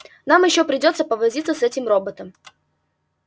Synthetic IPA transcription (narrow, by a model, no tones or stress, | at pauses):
namjɪɕːopɾʲɪdʲo̞t̪səpəvɐzʲit̪səsɛtʲɪmrobət̪əm